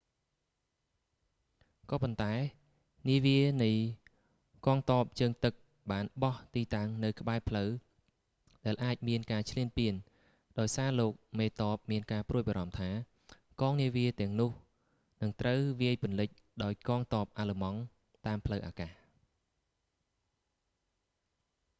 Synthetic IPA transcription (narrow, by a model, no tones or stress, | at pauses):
kɑːpont̪aɛ | niəʋiənɨj | kɑːŋt̪ɑːp̚t͡ɕəːŋt̪ɨk̚ | ɓaːnɓɑht̪iːt̪aŋnɨwkʰə̆ɓaɛpʰləw | ɗaɛlʔaːc̚miənkaːt͡ɕʰliənpiən | ɗaɔjsaːloːk̚meːt̪ɑːp̚miənkaːpruəjɓaːɾɑmt̪ʰaː | kɑːŋniəʋiət̪ɛ̆əŋnʊ̆əh | nɨŋt̪rəwʋiəjpŭənlɨc̚ | ɗaɔjkɑːŋt̪oːp̚ʔaːləmɑŋ | t̪aːmpʰləwʔaːkaːh